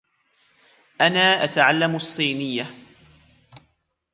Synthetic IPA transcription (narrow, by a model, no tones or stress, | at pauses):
ʔanaːʔat̪aʕalːamɑsˤːiːnɪjːa